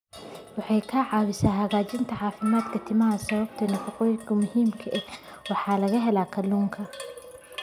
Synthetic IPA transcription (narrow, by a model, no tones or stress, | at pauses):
wɑħɑjkʰɐʕɑːwɪsaːɦɐɣaːt͡ʃɪnt̪ʰɐʕɑːfɪmaːd̪kʰɐt̪ʰɪmɐɦɐsɐβɐb̚t̪ʰɐnɐfɑqɔːjɪkʰɐmʊhiːmkʰɐʔɛh | wɑħɑːlɐɣɐɦɛlaːkʰɐluːŋkʰɐ